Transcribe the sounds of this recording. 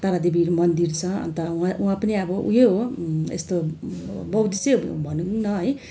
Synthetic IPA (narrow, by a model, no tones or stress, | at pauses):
t̪aɾad̪ebiɾmʌnd̪irt͡sʰʌʌ̰nt̪ʌwãuãpʌniʌbʌʔṵɦjeɦoḛst̪o | bʌwd̪isebʱʌnunʌɦʌj